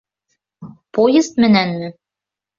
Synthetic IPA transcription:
pojest̪mɘ̆nænmɘ̆

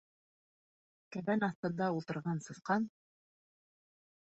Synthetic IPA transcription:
kæβænɑθt̪ɤ̆nd̪ɑulˠt̪ɤ̆ɾʁɑnsɤ̆θqɑn

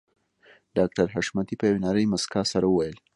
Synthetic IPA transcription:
ɖ̥ɑk̚ʈaɾɦaʃmat̪ipəjawenaɾəjmaskɑsaɾawəwajəl

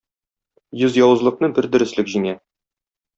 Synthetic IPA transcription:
jɵzjɒwɤ̆zlˠɤ̆q̚nɤbɘɾd̪ɵ̆ɾɘ̆slɘkʑiŋæ

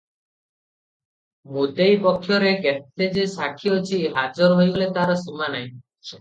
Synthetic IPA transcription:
mud̪ejpɔkʰːjɔɾeket̪ːed͡ʒesakʰiot͡ʃʰiɦad͡ʒɔɾɔɦojbolet̪aɾɔsumanaĩ

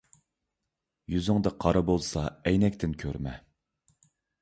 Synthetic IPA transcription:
jyzyŋd̪ɛqʰɑɾɑbolˠsɑɛjnɛkʲt̪ʰɪnkʲʰøɾmɛ

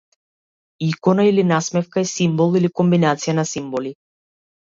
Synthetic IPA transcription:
ikɔnailinasmɛfkaɛsimbɔlˠilikɔmbinat̪sijanasimbɔli

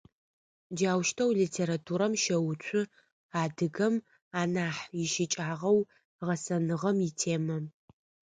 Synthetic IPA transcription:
d͡ʒaːwʃtʰɐwlitʰeːɾatʰuːɾɐmʃɐwʊt͡ʃʷʰʼʊ | aːdɨɡɐm | aːnaːħjɪʃɪt͡ʃʼaːʁɐw | ʁɐsɐnɨʁɐmɪtʰeːmɐ

